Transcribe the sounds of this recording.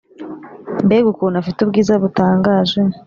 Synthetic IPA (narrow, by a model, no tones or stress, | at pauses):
mbeɡukuːnafitub̚ɡiːzaβutaːŋɡaːʒe